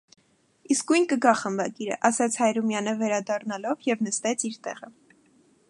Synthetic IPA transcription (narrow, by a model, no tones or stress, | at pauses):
iskujnkəɡɑχəmbɑɡiɾə̰ʔɑsɑt͡sʰhɑjɾumjɑnəvɛɾɑd̪ɑrnɑlɔvjɛvnəst̪ɛt͡sʰiɾt̪ɛ̰ʁə